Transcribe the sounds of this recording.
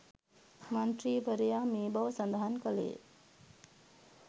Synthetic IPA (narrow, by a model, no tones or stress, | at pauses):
mɐnʈɾiːbəɾijaːmiːbɐʋsɐnd̪aɦankəlḛː